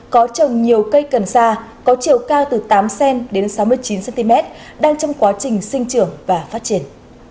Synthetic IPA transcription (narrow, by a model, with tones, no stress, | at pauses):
kɔ˨˦t͡ɕə˨˩ŋ͡mɲi˨˩əwkə˧jkə˨˩nsaː˧kɔ˨˦t͡ɕi˨˧˩əwkaː˧wt̪ɨ˨˩t̪aː˨˦msɛ˧nɗe˨˦nsa˨˦wmɨ˧əjt͡ɕi˨˦nsɛ˧nt̪i˧mɛ˦˥t̚ | ɗaː˧ŋt͡ɕɔ˧wŋ͡mkwaː˨˦t͡ɕï˨˩ŋ̟sï˧ŋ̟t͡ɕɨ˧˩əŋvaː˨˩faː˦˥t̚t͡ɕi˧˩ən